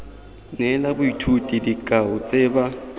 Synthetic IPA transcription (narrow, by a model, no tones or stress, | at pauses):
nɛlabʊitʰutʼidikʼaʊt͡sʼɛba